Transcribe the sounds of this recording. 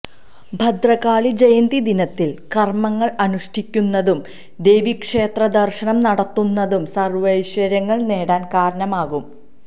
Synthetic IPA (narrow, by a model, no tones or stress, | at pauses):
bʱɐd̪rɐɣaːɭid͡ʑɐjɐnd̪id̪inɐt̪ːilkɐrmɐŋːɐɭɐnuʂʈʰikʲːunːɐðum | d̪ejʋikʂeːt̪rɐd̪ɐrʂɐnɐmnɐɽɐt̪ːunːɐðumsɐrʋɐjɕʋɐɾɐŋːɐɭneːɽaːnkaːɾɐɳɐmaːɣum